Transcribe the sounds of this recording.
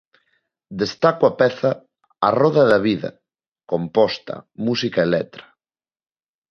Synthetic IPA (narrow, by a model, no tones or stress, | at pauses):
d̪est̪akwapɛθɐ | a̰rɔðɐðɐβiðɐ̰ | kompɔst̪ɐ̰musikaelɛt̪ɾɐ̥